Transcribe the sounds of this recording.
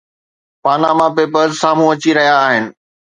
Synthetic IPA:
paːnamãpeːpəɾzsaːm̤ũɐt͡ɕiɾɐɦijaːɦɪnɪ̆

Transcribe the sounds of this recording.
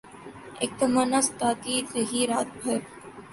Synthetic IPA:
ḛk̚t̪ɐmanast̪aːt̪iːzɐɦiːɾaːt̪̚bʱɐɾ

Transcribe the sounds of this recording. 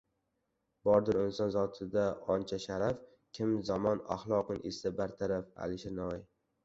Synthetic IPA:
bɒɾd̪ɪɾʊnsɒnzɒt̪ʰɪd̪aɒnt͡ʃʰaʃaɾaf | kʲʰɪmzamɒna̰χlˠɒqɨnʔesabaɾt̪ʰaɾafa̰lɪʃɪɾnɒj

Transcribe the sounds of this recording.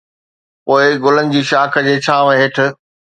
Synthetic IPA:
poːɪɡʊlənɪ̆d͡ʑiːʃaːkʰə̆d͡ʑeːt͡ɕʰaːʋɦɪʈʰʊ̆

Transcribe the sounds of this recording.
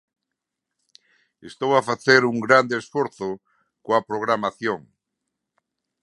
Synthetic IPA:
est̪owafaθeɾuŋɡɾand̪eːsfwoɾθo | koapɾoɣ̞ɾamaθjoŋ

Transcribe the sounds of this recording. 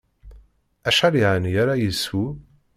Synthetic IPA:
æʃaliʕənjaɾajəsu

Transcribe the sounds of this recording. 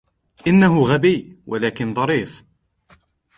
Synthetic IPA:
ʔɪnːaɦʊɣabiːwʔalaːkɪnðˤɑɾˤiːf

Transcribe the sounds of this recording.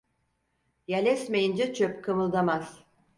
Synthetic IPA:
jelʲɛsmejind͡ʒɛt͡ʃʰøpkʰɯmɯlˠd̪amaz̥

